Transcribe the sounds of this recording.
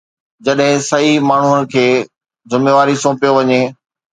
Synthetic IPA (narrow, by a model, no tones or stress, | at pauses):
d͡ʑɐɗɦɪ̃sɐimaːɳ̤uənɪ̆kʰeː | zɪmeːʋaːɾisõːpijoʋɐɲeː